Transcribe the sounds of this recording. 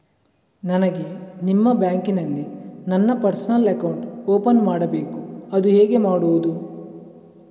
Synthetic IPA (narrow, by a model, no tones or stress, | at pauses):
nɐnɐɡe̞nimːɐbjaːŋkinɐlːinɐnːɐpɐɾsɐnɐlɐkɐwɳʈoːpɐnmaːɽɐbe̞ːkuɐd̪uɦɛːɡe̞maːɽuʋud̪u